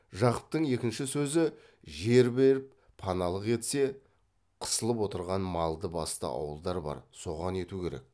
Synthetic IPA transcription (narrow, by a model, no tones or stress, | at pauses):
ʒɑqəp̚t̪əɴe̞kʲɪnʃɪsɵzɪ | ʒe̞ɾbe̞ɾɪpːʰɑnɑlˠəqe̞t̪se̞ | qʰə̥səlˠəpwo̞t̪əɾʁɑnmɑlˠd̪əbɑst̪ə̰ʔɑ̰wəlˠd̪ɑɾbɑ̰ɾso̞ʁɑne̞t̪ukʲʰe̞ɾe̞̰k̚